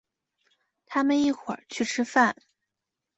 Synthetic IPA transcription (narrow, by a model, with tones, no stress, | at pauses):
t̪ʰa˥mə˨ni˥˩xʰwə̰˨˩˦t͡ɕʰy˥˩ʈ͡ʂʰɻ̩˥fa˥˩n